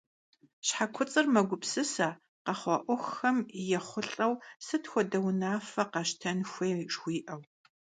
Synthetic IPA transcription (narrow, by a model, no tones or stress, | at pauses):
ɕħakʷʰʊt͡sʼɨrmɐɡʷʊpsɨsɐ | qɐχʷɑʔʷʊxxɐmjɛχʷʊɬʼɐwsɨtxʷɔdɐwnaːfɐqɑʃtʰɐnxʷeːʂwʷiːʔɐw